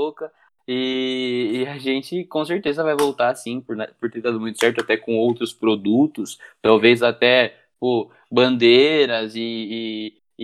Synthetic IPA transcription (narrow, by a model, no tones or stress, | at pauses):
okɐ | ɪː | aʒẽt͡ʃɪkõseɾt̪ezɐvajvowt̪asĩpʊɾnapʊɾt̪eɾd̪ad̪ʊmũj̃t̪ʊ̥sɛɾt̪ʊat̪ɛkõowt̪ɾʊspɾod̪ut̪ʊst̪awvezat̪ɛ | po | bɐ̃nd̪eɾɐzɪː